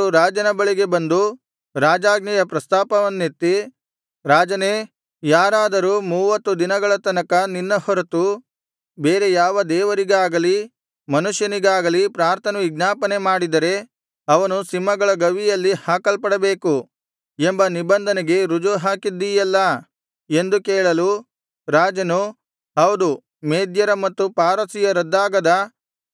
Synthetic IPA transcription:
uɾaːd͡ʒɐnɐbɐɭiɡe̞bɐnd̪u | ɾaːd͡ʒaːɡ̚nɛjɐpɾɐst̪aːpɐʋɐnːit̪ːi | ɾaːd͡ʒɐne | jaːɾaːd̪ɐɾuːmuːʋɐt̪ːud̪inɐɡɐɭɐt̪ɐnɐkɐninːɐhɔɾɐt̪u | beːɾe̞jaːʋɐd̪ɛːʋɐɾiɡaːɡɐli | mɐnuʂjɐniɡaːɡɐlipɾaːɾt̪ʰɐnɐʋiɡnaːpɐne̞maːɽid̪ɐɾe̞ | ɐʋɐnusimːɐɡɐɭɐɡɐʋijɐlːihaːkɐlpɐɽɐbeːku | embɐnibɐnd̪ʱɐneɡe̞ɾud͡ʒuɦaːkid̪ːijɐlːɐ | e̞nd̪ukeːɭɐlu | ɾaːd͡ʒɐnu | ɦɐwd̪u | meːd̪jɐɾɐmɐt̪ːupaːɾɐsijɐɾɐd̪ːaːɡɐd̪ɐ

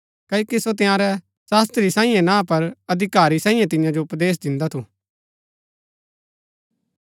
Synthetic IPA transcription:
kɐikisot̪̬ɪjãːɾɛ | saːst̪ɾisãːĩjɛ̃nãːpɐɾɐd̪ʱɪkaːɾisãːĩjɛ̃t̪ɪ̃jãd͡ʒoʊpd̪eːs̬d̪ɪ̃nd̪at̪ʰuː

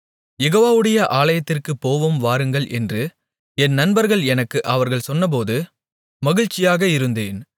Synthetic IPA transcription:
jɛɣoːʋaːʋɯɽɐjɐʔaːlɐjɐt̪ːɪrkɯpːoːʋɯmʋaːɾɯŋɡɐɭʔɛndrɯ | ɛnnɐnbɐɾɣɐɭɛnɐkːɯʔɐʋɐɾɣɐɭsɔnːɐp̬oːðɯ | mɐɣɪɻt͡ʃːɪjaːɣɐɪɾɯnd̪eːn

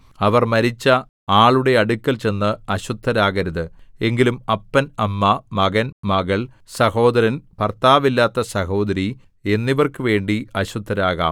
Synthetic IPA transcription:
ɐʋɐrmɐɾit͡ɕːɐ | aːɭuɽe̞ɐɽukʲːɐlt͡ɕe̞nːɨɐɕud̪ʱːɐɾaːɣɐɾɐðɨe̞ŋɡilumɐpːɐnɐmːɐmɐɣɐnmɐɣɐɭ | sɐho̞ːd̪ɐɾɐnpɐrt̪aːʋilːaːt̪ːɐsɐho̞ːd̪ɐɾi | e̞nːiʋɐrkɨʋe̞ːɳɖiɐɕud̪ʱːɐɾaːɣa̰ːm

